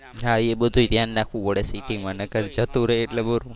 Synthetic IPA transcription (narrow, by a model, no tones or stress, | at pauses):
ɦaebəd̪ʱũt̪janːakʰũʋəɽesiʈiŋmãnəkəɾd͡ʒət̪ũɾəɦːʈlebəɾũ